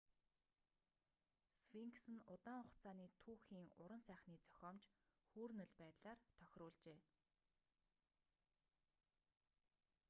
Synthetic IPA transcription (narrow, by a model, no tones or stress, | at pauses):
swiŋksɘ̆nʊt̪aːɴʊχt͡sʰaːniːt̪ʰuːxiːŋʊ̰ɾə̆nsæːχniːt͡sœ̥xʲɔːmt͡ɕxuːrnɘ̆ɮpæːt̪ɮaːrt̪ʰœxʲrʊːɮt͡ɕeː